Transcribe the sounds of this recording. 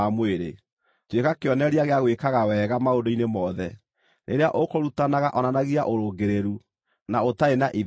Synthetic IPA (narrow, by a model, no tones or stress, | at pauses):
amweɾḛ | twekakeɔnɛɾiaɣeaɣwekaɣawɛːɣamaodoinemɔðɛ | nʔeɾeaʔokoɾutanaɣaʔɔnanaɣiaʔoɾoːɡeɾeɾu | naotaenaʔi